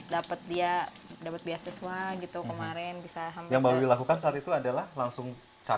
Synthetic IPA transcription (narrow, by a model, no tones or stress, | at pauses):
dapət̪̚diadapət̪̚biasəsuaɡit̪ukəmaɾɛnbisaɦamjaŋbawiilakukansaat̪it̪uadalahlaŋsʊŋ | t͡ʃa